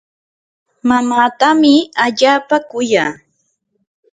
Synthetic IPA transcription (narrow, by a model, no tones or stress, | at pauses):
mamaːt̪amɪaʎaːpakʊjaː